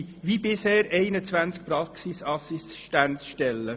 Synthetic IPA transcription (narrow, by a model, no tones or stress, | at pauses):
ʋibɪshɛːɾɛɪnət͡sʋænt͡sk̚pɾɑksisɑsisʃtæntsʃtɛlːə